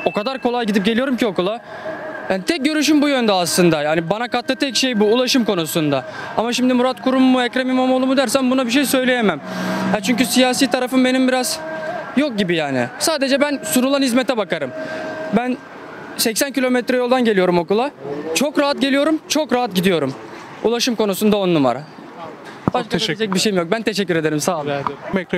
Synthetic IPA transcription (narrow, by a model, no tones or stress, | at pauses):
o̞kad̪aɾkʰo̞lˠajɟid̪ip̚ɟelʲijoɾumcʰio̞kulˠa | jaːnit̪ʰɛc̚ɟø̞ɾyʃ̬ymbujønd̪ɛaslˠɯnd̪ajaːnibanakat̪lˠɯt̪ʰɛcʃe̞jbuːlˠaʃɯmkʰo̞nusund̪a | amaʃimd̪imuɾat̪kʰuɾumːuɛcɾamimomolˠumud̪æɾs̬æmbunabiʃ̬e̞jsø̞jlʲe̞jemæmhɛt͡ʃʰyɲcysijaːsiːt̪ʰaɾafɯnbe̞nimbiɾaz̥jok̚ɟibijaːnɪ̰saːd̪e̞d͡ʒɛbænsunulˠanhizmet̪ʰɛbakaɾɯmbæn | sɛcsæncilʲo̞mɛt̪ɾɛjolˠd̪anɟe̞lʲijo̞ɾumo̞kulˠat͡ʃʰo̞kɾaɦat̪̚ɟeijo̞ɾumt͡ʃʰo̞kɾaɦat̪̚ɟid̪ijo̞ɾum | ulˠaʃɯmko̞nusund̪aonununva̰ɾa | b̥aʃk̪aied͡ʒɛc̚biʃeimjok̚bænt̪ʰeʃɛcːyɾe̞d̪e̞ɾimsaː